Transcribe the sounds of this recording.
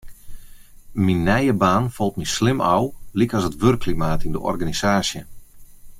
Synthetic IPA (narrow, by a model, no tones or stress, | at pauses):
minːɛjəbaːnfɔlˠt̚mislɪmʔawlikɔsətʋørkʰːlimaːtindəʔɔ̰rɡanisaːsjə